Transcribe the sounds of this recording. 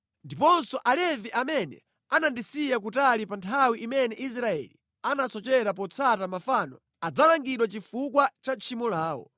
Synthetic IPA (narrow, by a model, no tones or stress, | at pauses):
ndipɔnsɔʔalɛviʔamɛnɛ̰ | anandisijak̬utalipantʰawiʔimɛnɛʔis̬ɾaɛ̰li | anasɔt͡ʃɛɾap̬ɔt͡sʰatamafanɔ̰ | ad͡zalaŋɡiɗwat͡ʃifukwat͡ʃat͡ʃʰimɔlaːwɔ̰